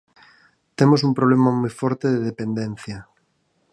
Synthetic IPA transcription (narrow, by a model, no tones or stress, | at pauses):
t̪emos̬umpɾoβ̞lemamujfɔɾt̪eðeðepend̪en̟θjɐ